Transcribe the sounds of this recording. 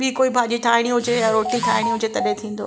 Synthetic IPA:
bɪkoːibʱãːʄd͡ʑiʈʰaːɪɽ̃iɦʊd͡ʑejaɾoːʈiʈʰaːɪɽiɦʊd͡ʑet̪ɐɗet̪ʰĩːn̆d̪o̰

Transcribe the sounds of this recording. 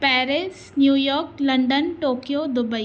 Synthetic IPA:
pɛːɾɪs | njuːjɔːɾklɐ̃ɳɖənʈoːkijod̪ʊbəi

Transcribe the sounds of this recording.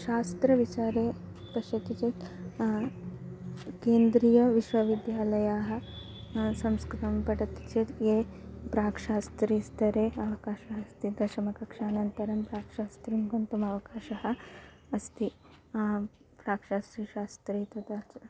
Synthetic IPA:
ʃaːst̪ɾɐʋit͡ʃaːɾeː | pɐʃɐkit͡ʃet̪ | keːnd̪ɾiːjɐʋiʃʋɐʋid̪jaːlɐjaːɦɐ̆ | sɐmskɾit̪ɐmpɐʈɐt̪t͡ʃet̪eːpɾaːkʂaːst̪ɾist̪ɐɾeːɐʋɐkaːʃɐɦɐst̪id̪ʱɐʃɐmɐkɐkʂaːnɐnt̪ɐɾɐmpɾaːkʂaːst̪ɾimkont̪umɐʋɐkaːʃɐɦɐ̆ɐst̪i | pɾaːkʂaːst̪ɾiʃaːst̪ɾiːt̪ɐt̪at͡ʃ

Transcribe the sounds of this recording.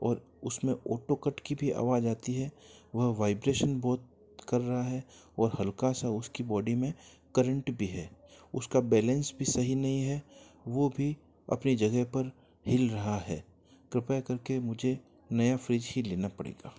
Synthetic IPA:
ɔːɾ | ʊsmẽoːʈokəʈkibʱiʔa̰ːʋaːd͡ʒaːt̪iɦɛʋɐɦʋaːɪbɾeːʃənbɔːt̪̚ | kɐɾːɐɦaɦɛɔːɾhɐlkasaʊskibɔːɖimẽ | kɐɾə̃ɳʈbʱiɦɛːʊskabɛːlɛ̃nsbʱisɐɦinɐɦĩɦɛʋobʱi | ɐ̰pnid͡ʒɐɡɛɦpɐɾ | hɪlɾɐɦaɦɛː | kɾɪpakɐɾkemʊd͡ʒʱe | nɐjafɾiːd͡ʒɦileːnapɐɽḛːɡaː

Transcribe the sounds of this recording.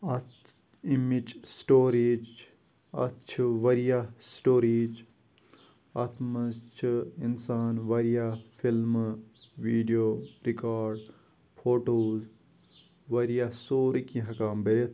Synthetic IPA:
ɐt | imid͡ʒsʈoːɾiːd͡ʒ | ɐ̰t͡ʃʰiʋɐɾijasʈoːɾiːd͡ʒ | ɐt̪ʰmɐst͡ʃʰinsaːnʋɐɾijafʰilmʋiːɖijoːɾikaːɾɖ | pʰoːʈoːz | ʋɐɾijasoːɾikĩɦɐkaːmbɐɾet̪

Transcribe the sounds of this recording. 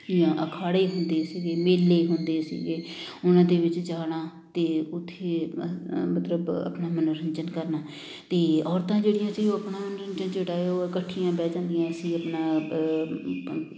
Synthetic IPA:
ɪjãːʔəkʰaːɽeːɦʊnd̪eːsiːɡeːmeːlːeːɦʊnd̪eːsḭːɡeːʊnãːd̪eːʋɪt͡ʃd͡ʒaːɽãː | t̪eːʊt̪ʰːeː | mət̪ləbə̰pnaːmənɾəɲt͡ʃənkəɾnaː | t̪eːɔːɾt̪ãːd͡ʒeːɽɪjãːsiɡoːəpnaːmənɾəɲd͡ʒənd͡ʒeːɽaːeoːɪkəʈʰːijãːbɛːd͡ʒãːnd̪ijãːəsĩːəpnaː

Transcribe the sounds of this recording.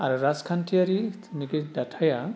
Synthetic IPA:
aɾuɾaskʰantʰiaɾi | nikidatʰaja

